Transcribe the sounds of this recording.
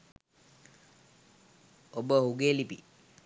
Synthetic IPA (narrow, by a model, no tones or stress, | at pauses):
obəɦuɡelipḭ